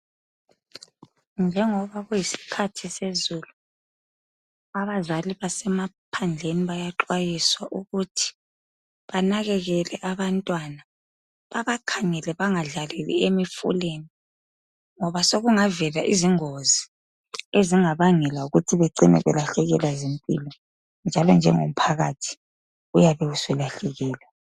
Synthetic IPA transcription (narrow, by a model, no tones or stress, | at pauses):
nd͡ʒʱɛŋɔβaɣujisi̥kʰatʰisezulu | aβazaliβasɛmapʰand͡ɮʱeniβajaǃwajiswaʔuɣutʰi̥ | βanaɣɛɣɛlɛʔaβantʼwana | βaβakʰaŋɛlɛβaŋaɮalelḭemifṵleni | ŋɔβasoɣuŋavɛlaʔiziŋozi | eziŋaβaŋɛlauɣutʰiβeǀinɛ̰βɛ̰laɬɛɣɛlazimpʼḭlɔ | nd͡ʒʱalɔnd͡ʒʱɛŋo̰m̩pʰaɣatʰi̥ | ujaβɛusɛlaɬɛɣɛːla